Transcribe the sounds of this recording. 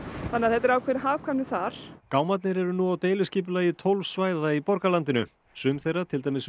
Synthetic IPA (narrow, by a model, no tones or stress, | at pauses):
θanɪaðθɛt̪ːɛɾaːwkʰvɛɾɪɦaːvkʰvamnɪθaɾ̥kaːwmat̪̬̚nɪɾɛɾʏnuawt̪eːjlʏscɪːp̬ʏlaːjɪt̪ʰowlvsvaːjðaipɔɾkalant̪ɪnʏ̰ | sʏmθejrːat̪ʰɪlt̪ajmɪs